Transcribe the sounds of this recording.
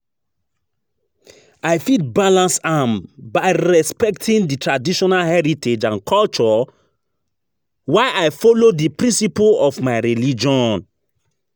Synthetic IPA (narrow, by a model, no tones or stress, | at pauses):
aɪfid̚balãnsãmbaɪɹɛspɛk̚tʰĩnditɹadiʃɔnalhɛɹitʰed͡ʒãnkʰɔlt͡ʃɔ | waɪʔaɪfɔlodipɹĩnsipulɔfmaɪɹilid͡ʒɔ̃n